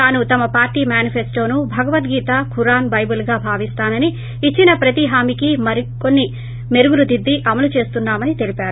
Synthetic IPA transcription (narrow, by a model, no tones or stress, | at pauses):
aːnut̪ɐmɐpaːɾʈiːmjaːnipʰesʈo̞ːnubʱɐɡɐʋɐt̪ɡiːt̪aːkʰuɾaːnbɐjbulɡaːbʱaːʋist̪aːnɐniː | t͡ʃːinɐpɾɐt̪iɦaːmikimɐɾiko̞nːi | me̞ɾuɡuɾud̪id̪ːiʔɐmɐlut͡ʃe̞ːst̪unːaːmɐnit̪e̞lipaːɾu